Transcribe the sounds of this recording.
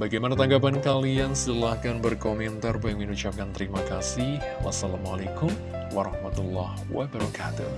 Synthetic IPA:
baɡajmanat̪aŋɡap̬ankaliansət̪əlahkanbərkomɛnt̪arpajaŋminut͡ʃap̚kant̪əɾimakasɪh | wa̰salamalekʊm | waɾɑhmat̪ulːɑ̰hwa̰bəɾakʰat̪u

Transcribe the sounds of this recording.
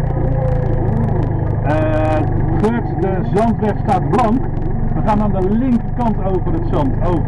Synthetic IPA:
χøtdəzɑntʋɛχtstaːt̚blɑŋk | ʋəχaːnaːndəlɪŋkəkɑntowvərətsɑntowv

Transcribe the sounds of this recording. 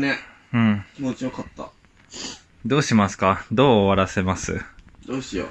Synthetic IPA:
ne | ɯ̟̃ɴkʲimo̞t͡ɕijokat̪ːa̰ | d̪o̞ːɕimasɨ̥kad̪o̞ːβaɾase̞masɨ̰d̪̥oːɕijo̰

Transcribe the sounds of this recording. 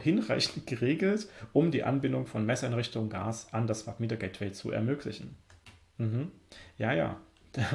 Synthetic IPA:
hɪnʁaɪçn̩tɡ̥əʁeːɡl̩tʔʊmdiːʔa̰nbɪndʊŋfɔnmɛsɛnʁɪçtʊŋɡa̰ːsandasfatmiːdɐɡɛtv̥ɛːt͡sṵʔɛ̰ɐmøːkʰlɪ̰çn̩ | m̩ɦm̩jaːja̰ːd̥a

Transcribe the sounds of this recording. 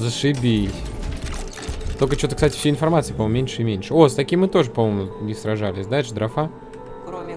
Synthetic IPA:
zəʂɨbʲi | t̪okət͡ɕot̪əksatʲɪ̥fsʲeɪnfɐrmat̪sɨipɐmomːmʲenʲʂɨɪmʲenʲʂɨo̞st̪ɐkʲimːɨt̪o̞ʐɨpɐmomʊɪsɾɐʐalʲɪsʲd̪alʲʂɨd̪ɾɐfa

